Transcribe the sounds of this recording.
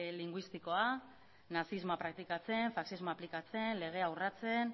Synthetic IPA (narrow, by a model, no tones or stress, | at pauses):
liŋɡwist̪iko̞a | nasizmoapɾak̚t̪ikat͡se̞ɱfaksizmoaplikat͡se̞nle̞ɣ̞e̞awrat͡se̞n